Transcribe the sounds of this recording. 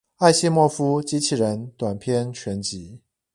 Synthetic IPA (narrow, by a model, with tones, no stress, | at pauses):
a˥˧ɪɕɛ˥˧mwɔ˥˩fu˥t͡ɕi˧˥t͡ɕʰi˨˩ɻə˧˦nt̪wa˨˩npʰjɛ˥˧nt͡ɕʰɥɛ˧˥nt͡ɕi˧˥˦